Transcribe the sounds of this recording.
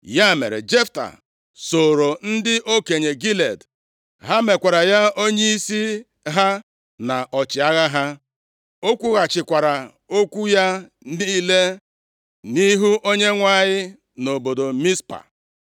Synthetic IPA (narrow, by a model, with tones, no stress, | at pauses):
ja˦˨mḛ˨ɾḛ˨d͡ʒe˦fta̰˨ | so˨ɾo˨n̩˦dɪ˦ʔo˦ke˨ɲe˨ɡi˦le˨d | ɦa˦me˨kʷa˨ɾa˨ja˦o˦ɲe˦i˦si˦ | ɦa˦ | na˨ʔɔ˨t͡ʃɪ˨a˦ɣa˦ɦa˦ | o˦kʷu˦ɣa˨t͡ʃɪ˨kʷa˨ɾa˨ | o˦kʷu˦ja˦ | di˦le˦ | ni˦ɦu˦ʔo˦ɲe˦ŋʷa˦ɲɪ˦ | no˨bo˨do˨mi˦spa̰˨